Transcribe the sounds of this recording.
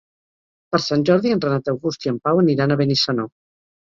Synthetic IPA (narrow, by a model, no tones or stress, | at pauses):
pəɾsanʲʒɔɾðiənrənat̪əwɣust̪iəmpawəniɾanəβenisano